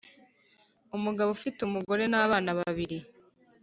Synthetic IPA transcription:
umuɡaβofitumuɡo̞ɾe̞naβaːnaβaβiɾi

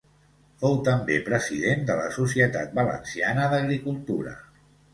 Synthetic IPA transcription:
fowt̪əmbepɾəziðend̪ələ̰susiət̪at̪̚bələ̰nsianəðəɣɾikulˠt̪uɾə̰

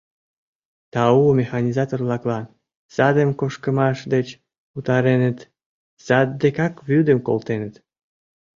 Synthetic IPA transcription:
t̪ɑumexɑnʲizɑt̪orlɑklɑn | sɑd̪əmkoʃkəmɑʃd̪et͡ɕ | ut̪ɑɾenət̪ | sɑd̪̚ːekɑkβyd̪əmko̰lt̪enət̪

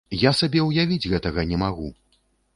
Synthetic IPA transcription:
jasabʲɛwjavʲid͡zʲɣɛt̪ɐɣɐnʲɛmaɣṵ

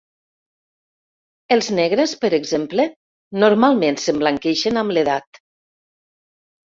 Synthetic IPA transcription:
əlˠznɛɣɾəspəɾəɡzemplə | noɾmalˠmensəmbləŋkɛʃənamleðat̪

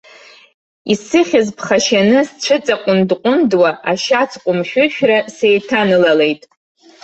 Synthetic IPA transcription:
isɨχʲɪzpʰχaʃanɨst͡ʃʷʰɨt͡sʼaqʷʼʊndqʷʼʊndwaʔaʃat͡sʰqʷʼʊmʃᶣʊʃᶣrase̞jtʰanɨlale̞jtʼ

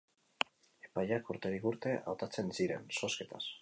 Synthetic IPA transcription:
e̞̥pajakuɾt̪e̞ɾikuɾt̪e̞ʔa̰wt̪at͡se̞nsiɾe̞̰nso̞ske̞t̪a̰s

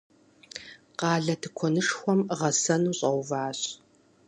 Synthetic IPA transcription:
qɑːɮɐtʰɨkʷʰɔnɨʂxʷɔmʁɐsɐnuːɕʼɐwvaːɕ

